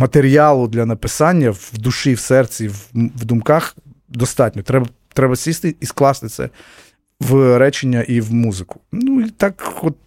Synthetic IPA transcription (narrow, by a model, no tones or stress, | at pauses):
mɐt̪eɾʲijɑlˠʊd̪lʲɐnɐpɪsɑnʲːɐwd̪uʃiwsɛrt͡sʲiwʋd̪ʊmkɑx | d̪ɔst̪ɑtʲnʲɔt̪ɾɛbɐ | t̪ɾɛbɐsʲist̪ɪisklˠɑst̪ɪt̪sɛ̰ | ʋɾɛt͡ʃenʲːɐʔiwmuzɪkʊ̥nuit̪ɑkːɔt̪̚ʲ